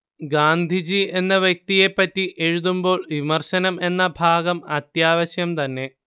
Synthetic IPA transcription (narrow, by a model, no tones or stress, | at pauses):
ɡaːnd̪ʱid͡ʑie̞nːɐʋjɐk̚t̪ije̞pːɐtːiʔeɻuðumbo̞ːɭʋimɐrɕɐnɐme̞nːɐbʱaːɡɐmɐt̪jaːʋɐɕjɐmt̪ɐnːe̞